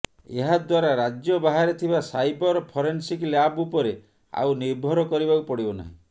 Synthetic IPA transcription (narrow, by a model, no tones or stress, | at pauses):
ḛɦad̪waɾaɾad͡ʒjɔbaɦaɾet̪ʰibasajbɔɾpʰɔɾensiklabupɔɾe | a̰wniɾbʱɔɾɔkɔɾibakupɔɽibɔna̰ɦḭ̃